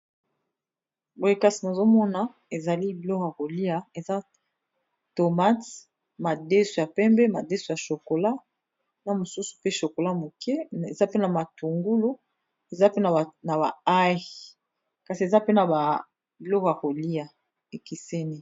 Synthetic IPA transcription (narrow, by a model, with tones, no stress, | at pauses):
bo˨e˨ka˦si˨na˨zo˦mɔ˦na˨ | e˨za˨li˦bi˨lɔ˦kja˨ko˨li˦a˨e˨za˦ | to˨ma˦t | ma˨de˦su˨ja˨pɛ˦mbɛ˦ma˨de˦su˨ja˨ʃo˨ko˨la˦ | na˨mo˨su˦su̥˨pe˦ʃo˨ko˨la˦mo˨kʰɛ˦e˨za˦pe˦na˨ma˨tu˨ŋɡu˦lo˦ | e˨za˦pe˦n˨na˨ba̰˨a˦˨ | ka˨si˨e˨za˦pe˦na˨a˨ | bi˨lɔ˦ko˨ja˨ko˨li˦a˨ | e˨ki˨se˦ni˦